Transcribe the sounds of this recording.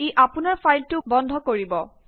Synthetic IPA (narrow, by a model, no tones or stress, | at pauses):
eʔapunaɹfajltʊbɔndʱɔkoɹibɔ